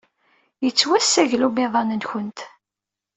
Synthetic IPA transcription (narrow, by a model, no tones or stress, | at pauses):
jət͡sːwæsːæʝlumɪðˤɑnənçənt̪